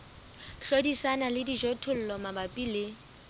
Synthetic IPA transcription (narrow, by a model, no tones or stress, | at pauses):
ɬodisanalɪdiʒotʰʊl̩lɔmabapʼiːlɪ